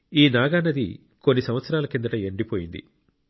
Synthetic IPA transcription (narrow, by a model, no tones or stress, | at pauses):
iːnaːɡaːnːɐd̪ḭ | ko̞nːisɐmʋɐt̪sɐɾaːlɐkind̪ɐʈɐeɳɖipoːjind̪ḭ